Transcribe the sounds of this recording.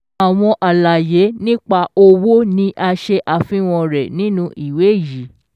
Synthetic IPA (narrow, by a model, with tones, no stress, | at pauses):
a˨w̃ɔ̃˧ʔa˨la˨je˨˦nĩ˦k͡pa˧o˧wo˦nĩ˦ʔa˧ʃe˧ʔa˨fĩ˦w̃ɔ̃˧ɾɛ˨nĩ˨˦nũ˦ʔi˨we˨˦˨ji˨˦